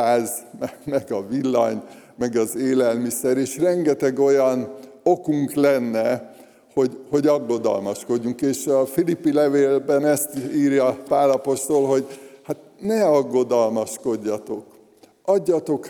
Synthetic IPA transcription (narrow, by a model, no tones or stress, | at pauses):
aːzmɛmɛɡɒvilːɒ̰ɲmɛɡɒzeːlɛlmisɛɾeːʃrɛŋɡɛt̪ɛɡo̞jɒn | o̞kuŋklɛnːɛ | ho̞ɟho̞ɟɒɡːo̞d̪ɒ̰lmɒʃko̞ɟːuŋkeːʃɒfilipːilɛveːlbɛnɛst̪iːrjɒpaːlɒpo̞ʃt̪o̞lɦo̞ɟhat̪nɛɒɡːo̞d̪ɒlmɒʃko̞ɟːɒt̪o̞k | ɒɟːɒt̪o̞k